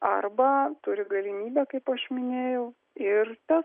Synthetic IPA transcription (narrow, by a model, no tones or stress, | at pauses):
ɐ̰rbɐt̪ʊɾʲɪɡɐlʲɪmʲiːbʲæːkɐɪpɐʃmʲɪnʲeːjɛʊ | ɪrt̪ʲɛs